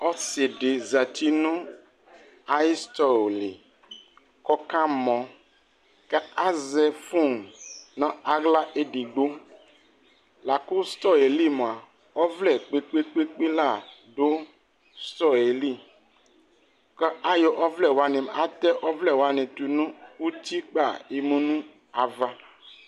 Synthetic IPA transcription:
ɔ˦se˨ɖe˨za˨t̪i˦nũ˦ | a˦i˦st̪ɔ˦˨lḛ˨ | kɔ˦kã˦mɔ̃˨ | kɛ˦a˦zɛ˨fũ˦˨ŋnã˦a˦ɡla˦ʔe˦ɖi˨ɡ͡bo˦ | la˨ku˦st̪ɔ˦e˨li˦m˨a˨ | ɔ˦vlɛ˦˨k͡pe˦k͡pe˦k͡pe˦k͡pe˦la˦˨ɖo˦ | st̪ɔ˦e˨li˦˨ | kɛ˦ʔa˦jɔ˨ʔɔ˦vlɛ˨wo˨a˨nɛ̃˨ma˦t̪ɛ˦ʔɔ˦vlɛ˦˨wa˨nɛ̃˨t̪u˨nũ˦u˦t̪i˦k͡pa˦˨e˨mũ˦nũ˦ | a˨va˦

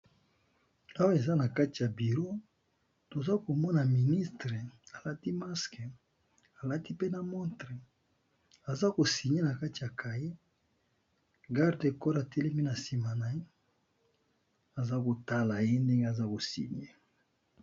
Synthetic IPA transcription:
a˦wa˦e˨za˦na˨ka˦ti˨ja˨bi˨ʁo˦ | to˨za˦ko˨mɔ˦na˨mi˨ni˦stʁe˨a˨la˦ti˦ma˦ske˨ | a˨la˦ti˦pe˦na˨mɔ˦ntʁe˨ | a˨za˦ko˨si˨ɲe˦na˨ka˦ti˨ja˨kʰa˨je˦ | ɡa˦ʁde˨kɔ˦ɾa˨te˦le˦mi˦na˨si˨ma˨na˨je˦ | a˨za˦ko˨ta˦la˨je˦nde˦ŋɡe˦a˨za˦ko˨sḭ˨ɲe˦

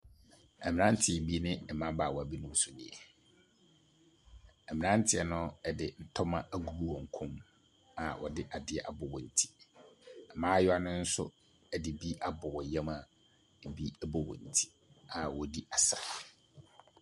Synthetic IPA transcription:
ɛ˨mɪ̃˨nã˦n̩˦tʰɪ˨ɛ˨bi˦nɪ̃˦ɛ˨mã˦ba˨wɔ˨æ˨bi˦nʊ̃˦m˦sʊ˨nɪ̰̃˨ɛ˨ | ɛ˨mɪ̃˨nã˦n̩˦tʰɪ˦ɛ˨nʊ̃˦ɛ˨dɪ˨n̩˨tʰɔ˦mã˦ʔa˨ɡu˨ɾu˦wɔ̃˨ŋ̩˨kʰʊ̃˦m | a˨wʔɔ̰˨dɪ˦ʔa˨dɪ˦ɛ˨ʔa˨bʊ˨wɔ˨n̩˨tʰi̥˦ | ɛ˨mãː˦jɔ˦a˦nʊ̃˦n̩˦sʊ̰˦ | ɛ˨dɪ˨bi˦ʔa˦bʊ˨wɔ˨jɛ̃˦ma˨ | bi˦ɛ˦bɔ˦wɔ̰˨n̩˨tʰi̥˦ | a˨wɔ˨di˦a˨sɾa˨

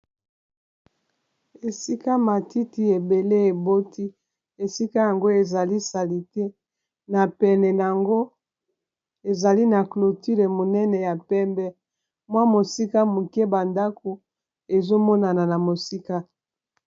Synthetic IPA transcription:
e˨si˦ka˦ma˨ti˦ti˦e˨be˨le˦e˨bo˦tʰi˦ | e˨si˦ka˦ja˨ŋɡo˦e˨za˨li˦sa˨li˨te˦ | na˨pɛ˨nɛ˨na˨ŋɡo˦ | e˨za˨li˦na˨klo˨ti˦le˨mo˨nɛ˦nɛ˨ja˨pɛ˦mbɛ˦ | mwa˦mo˨si˦ka˦mu˨kɛ˦ba˨nda˦ko˨ | e˨zo˦mɔ˦na˨na˨na˨mo˨si˦ka˦

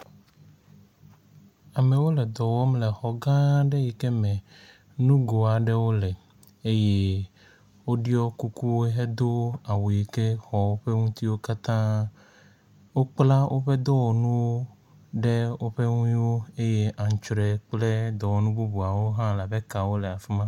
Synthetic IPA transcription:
a˨me˨wo˦lɛ˨d̪ɔ˨wɔ˦mlɛ˨xɔ˨ɡã˦ɖe˦ji˨ke˦mɛ̃˨ | nũ˦ɡo˨a˨ɖɛ˦wo˦lɛ˨ | e˦je˦ | wo˦ɖi˦ɔ˦ku˦ku˦wo˦ɦe˦d̪o˦a˨wji˨ke˦xɔ˨wo˦ɸe˦ŋũ˦t̪i˦wo˦ka˦t̪ã˦ | wo˦k͡pla˦wʔo˦ɸe˦d̪o˦wɔ˨nũ˦wo˦ | ɖe˦wo˦ɸe˦ŋũ˦i˦wo˦e˦je˦ʔã˨ŋ˨t͡ʃɾɛ˨k͡ple˦d̪ɔ˨wɔ˨˦nũ˦bu˦bu˨a˨wo˦ɦã˦la˨bɛ˦ka˨wo˦lɛ˨a˨fi˦mã˦

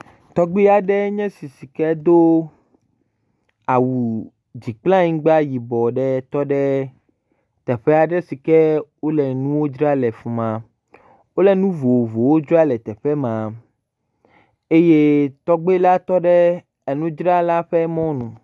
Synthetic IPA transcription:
t̪ɔ˦ɡ͡bi˦a˨ɖɛ˦ɲɛ̃˦si˨si˨kɛ˦d̪o˦ | a˨wu˨ | d͡ʑi˨k͡plã˦ɲĩ˦ɡ͡ba˦ji˨bɔ˨ɖɛ˦t̪ɔ˦ɖɛ˦ | t̪ɛ˨ɸɛ˦a˨ɖɛ˦si˨kɛ˦wo˦lɛ˨nũ˦wo˦d͡ʒɾa˦lɛ˨fũ˨mã˨ | wo˦lɛ˨nũ˦vo˨vo˨wo˦d͡ʒo˦a˦lɛ˨t̪ɛ˨ɸɛ˦mã˨ | e˦je˦t̪ɔ˦ɡ͡be˦la˦t̪ɔ˦ɖɛ˦ | e˨nũ˦d͡ʒɾa˦la˦ɸɛ˦mɔ̃˦nũ˨

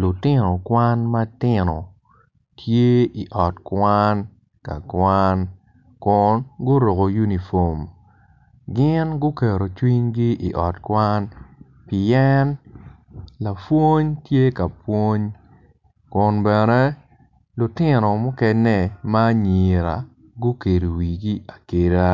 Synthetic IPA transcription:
lʊ˨tɪ˦nɔ˨kwa˦nma˦tɪ˦nɔ̰˨ | tʰje˦i˨ʔɔ˨tkwa˦n | ka̰˨kwan | kʊ˨nɡʊ˦ɾo˨ɡo˨ju˦ni˨fo˨m | ɡɪ˦nɡʊ˦kɛ˨ɾo˨t͡ʃwi˦ɲɡi˦ʔḭ˨ʔɔ˨tkwa˦n | pɪ˨ɛ˦n | la˨fwo˦ɲtje˦ka˨pwo˦ɲ | kʊ˨nbɛ˨nɛ˦ | lʊ˨tɪ˦nɔ˨mʊ˦kɛ˦nɛ˦ma˦ɲi˨ɾa̰˨ | ɡʊ˦ke˨ɾo˨wi˨ɡi˦a˨ke˨ɾa˦

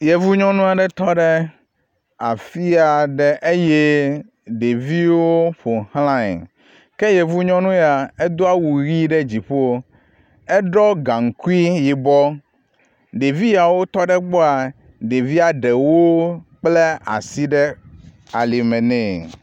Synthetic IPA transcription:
je˨vu˦ɲɔ̃˦nũ˦a˨ɖɛ˦t̪ɔ˦ɖɛ˦ | a˨fi˦a˨ɖɛ˦ʔe˦je˦ | ɖe˨vi˦wo˦ɸo˨hlã˦ɛ̰˨ | kɛ˦je˨vu˦ɲɔ̃˦nũ˦ja˨e˦d̪o˦a˦wu˨ɣi˦ɖɛ˦d͡ʑi˨ɸo˦ | ɛ˦ɖɔ˦ɡã˨ŋ̩˨ku˦i˦ji˨bɔ˦ | ɖe˨vi˦ja˨wo˦t̪ɔ˦ɖɛ˦ɡ͡bo˦a˨ | ɖe˨vi˦a˨ɖe˨wo˦k͡plɛ˦a̰˨si˦ɖɛ˦ | a˨li˨mɛ̃˨nɛ̃˨

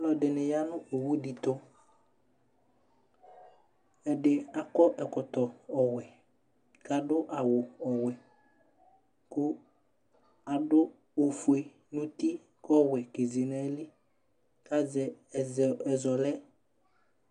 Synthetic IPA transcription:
lɔ˨dɪ˨nɪ˨ja˦nʊ̃˦ʔo˨wu˦di˨t̪ʊ˦ | ɛ˨dɪ˨a˨kɔ˦ʔɛ˨kʊ˨t̪ɔ˨ɔ˨wɛ˨ | ka˨dʊ˦ʔa˨wʊ˨ɔ˨wɛ˨ | kʊ˦ | a˨dʊ˦ | o˨fu˨e˨ | nʊ̃˦t̪i˦ | kɔ˦wɛ˨ke˨zi˨nɛ˨˦lɪ˦ | ka˦zɛ˨zɛ˨zɔ˨lɛ˦

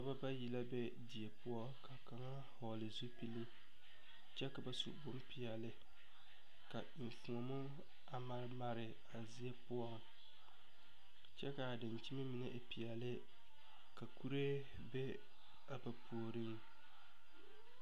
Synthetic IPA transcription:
ka˨ba˦ba˦ji˦˨la˦bɛ˦ | di˨ɛ˨pʊ˦ɔ˦ka˨ka˨ŋa˦ | hɔ˨lɨ˨zu˦pi˦lɨ˦ | t͡ʃɛ˦ka˨ba˦sṵ˨bʊ˦m˦pi˨ɛ˨lɪ˦ | ka˨ɪ˨ɱ˨fu˨ŋɔ˨mʊ˦ | a˨ma˨˦ɾma˨ɾɪ˨ | a˨zi˦a˦pʊ˦ɔ˦ŋ | t͡ʃɛ˦ka˨a˨dɪ˨nt͡ʃi˦ma˦mi˨na˦ʔpi˨ɛ˨lɪ˦ | ka˨ku˦ɾe˦ | bɛ˦ | a˨ba˨pʰu˨o˨ɾɪ˦ŋ

